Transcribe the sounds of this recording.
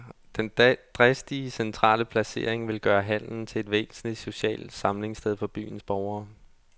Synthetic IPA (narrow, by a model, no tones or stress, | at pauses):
d̥end̥ʁɛsd̥iəsent͡sʰʁɑ̰̈ːləpʰlæse̝ɐ̰eŋʋe̝lɡ̥ɶːɐɦæn̰n̩t͡sʰe̝e̝d̥ʋḛːsn̩li̥so̝ɕɛ̰ːld̥sɑ̈mle̝ŋsd̥eð̞ˠfɒ̽b̥y̰ːn̩sb̥ɒʊɐː